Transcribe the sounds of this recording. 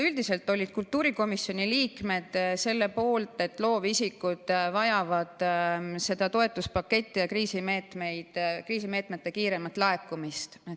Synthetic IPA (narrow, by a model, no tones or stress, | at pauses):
yld̪̥ise̞lt̪ːˑo̞lʲːid̪̥kult̪ːˑuːɾiko̞misːjo̞nʲiliːkme̞d̪̥se̞lːe̞po̞ːlt̪ˑe̞t̪ːˑlo̞ːvisikːˑud̪̥vɑjɑvɑd̪̥se̞d̪̥ɑt̪o̞e̞t̪ˑːuspɑkːe̞t̪ʲːijɑkriːsime̞ːt̪me̞jd̪̥kriːsime̞ːt̪me̞t̪ːe̞kiːɾe̞mɑt̪lɑe̞kːˑumist̪